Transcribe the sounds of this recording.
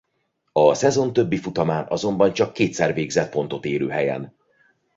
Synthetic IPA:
ɒsɛzo̞nt̪ø̞bːifut̪ɒmaːnɒ̰zo̞mbɒnt͡ʃɒkːeːt̪sɛrveːɡzɛt̪̚po̞nt̪o̞t̪eːɾøːɦɛjɛ̰n

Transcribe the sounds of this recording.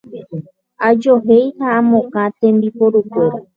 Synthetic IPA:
ad͡ʒoɦejhaːmõkãt̪ẽmbipoɾukeɾa

